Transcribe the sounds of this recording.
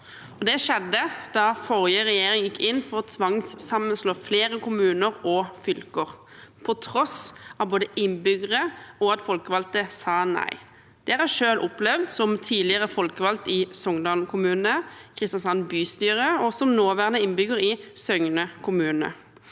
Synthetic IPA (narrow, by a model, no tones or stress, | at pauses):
ɔd̪ɛʃɛd̪ːəd̪̥ɑfɔʁjəʁɛjeːʁɪŋjɪkʰːɪnːfɔʁɔt̪ʰʋɑŋssɑmːənsloːfleːɾəkʊmʉːnəʁɔfʏlkəʁ | pʰɔt̪ʰɾɔsɑʋboːd̪əɪnbʏɡəʁəɔɑt̪fɔlkəʋɑlt̪əsɑːnæ̰ɪ | d̪̥ɛɾɑʂøːlʔɔplɛʋd̪sɔmt̪ʰiːlɪəʁəfɔlkəʋɑlt̪ɪsɔŋd̪ɑːlkʰʊmʉːnəkʰʁɪst̪ɑnsɑnbyːst̪yːʁəɔsɔmnoːʋæʁənəɪnbʏɡəɾɪsœŋnəkʰʊmʉːnə̰